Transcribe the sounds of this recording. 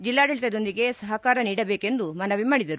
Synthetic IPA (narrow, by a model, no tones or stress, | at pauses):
d͡ʒilːaːɖɐɭit̪ɐd̪o̞nd̪iɡe̞sɐɦɐkaːɾɐniːɽɐbeːke̞nd̪umɐnɐʋimaːɽid̪ɐɾu